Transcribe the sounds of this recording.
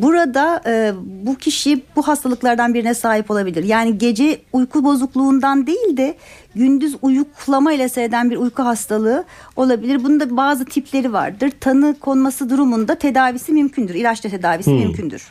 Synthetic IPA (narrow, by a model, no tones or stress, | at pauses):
buɾad̪aɯːbucʰiʃibuɦast̪ʰalˠɯklˠaɾd̪anbiɾinɛsaːɦipo̞lˠabilʲiɾjaːniɟe̞d͡ʒɛujkʰubo̞zuklˠuːnd̪and̪e̞jilʲd̪ɛ | ɟynd̪yzujuklˠamailʲˠaseɾed̪ænbiɾujkʰuɦast̪ʰalˠɯːo̞lˠabilʲiɾbunund̪abaːzɯt̪ʰipʰlʲe̞ɾiva̰ɾd̪ɯɾt̪ʰanɯkʰo̞nmasɯd̪uɾumund̪at̪ʰe̞d̪aːvisimymcʰynd̪yɾilʲat͡ʃt̪ɛt̪ʰe̞d̪aːvisimymcʰynd̪y̰ɾ̥